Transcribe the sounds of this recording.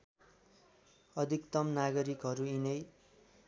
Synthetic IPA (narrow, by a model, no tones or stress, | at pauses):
ʌd̪ʱikt̪ʌmnaɡʌɾikɦʌɾuinʌj